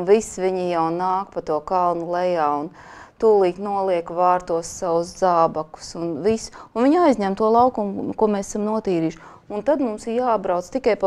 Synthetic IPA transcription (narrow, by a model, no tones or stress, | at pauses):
nvisviɲijawnaːk̚pat̪uɔkalˠnulˠɛjaːun | t̪uːlˠiːknuɔlˠiɛkvaːɾt̪uɔsːaʋusd̪zaːbakʊ̥sunvisunviɲajzɲɛmt̪uɔlˠaʊkumkuɔmesɛ̥samnuɔt̪iːɾiːʃ | unt̪ad̪mumsiɾjaːbɾawt̪st̪ikajpa